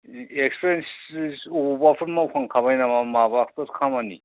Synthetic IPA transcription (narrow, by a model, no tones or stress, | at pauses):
ekspʰɾenssobapʰɯɾmawpʰaŋkʰaβajnamamabak̚tɯɾkʰamani